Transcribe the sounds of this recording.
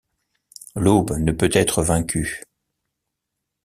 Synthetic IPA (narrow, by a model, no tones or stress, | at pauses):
lobnəpøt̪ɛt̪χəvɛ̃kʰʲy